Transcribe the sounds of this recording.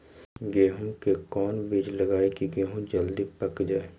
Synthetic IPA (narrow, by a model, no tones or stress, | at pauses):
ɡeːɦũkekɔːnbid͡ʒləɡaːekiɡeːɦũd͡ʒəld̪ipəkd͡ʒaːe